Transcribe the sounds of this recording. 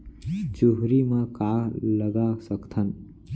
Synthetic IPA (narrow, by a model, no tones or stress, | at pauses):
d͡ʒuɦɾimãkaləɡasəkt̪ʰən